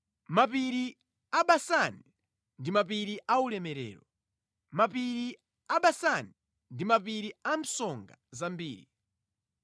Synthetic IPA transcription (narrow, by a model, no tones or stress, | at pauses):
mapiɾi | aɓasani | ndimap̬iɾiʔaulɛmɛɾɛ̰ːɾɔ | mapiɾi | aɓasani | ndimapiɾiam̩sɔŋɡazambiːɾi